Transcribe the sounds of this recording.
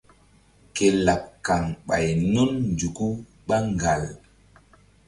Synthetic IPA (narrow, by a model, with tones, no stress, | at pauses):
ke˨la˨p̚kːa˨ŋɓa̰˨jnɔ˦nnd͡ʒu˨ku˦ | ɓa˦ŋɡa˨l